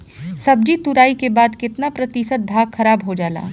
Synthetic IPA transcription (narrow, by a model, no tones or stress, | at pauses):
sɐb̚d͡ʒit̪ʊɾaːikebaːd̪kɪt̪napɾɐt̪isət̪̚bʱaːɡxɐɾaːbɦod͡ʒaːla̰ː